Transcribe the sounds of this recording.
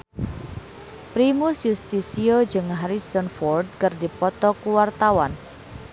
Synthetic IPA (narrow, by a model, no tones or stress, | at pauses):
pɾimusjust̪isiɔd͡ʒɨŋɦaɾisɔnfɔrd̚kərdipɔt̪ɔkuwart̪awan